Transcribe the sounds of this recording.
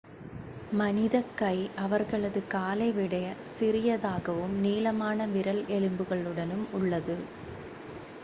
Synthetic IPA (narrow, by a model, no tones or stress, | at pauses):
mɐnɪðɐkːɐɪʔɐʋɐɾɣɐɭɐðɯkaːlɐɪʋɪɽɐjɐsɪɾɪjɐðaːɣɐʋɯmniːlɐmaːnɐʋɪɾɐlʔɛɭɯmbɯɣɐɭɯɽɐnɯmʊɭːɐðɯ